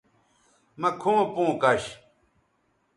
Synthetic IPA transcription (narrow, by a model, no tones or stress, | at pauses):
mɐkʰõːpõːkɐɕ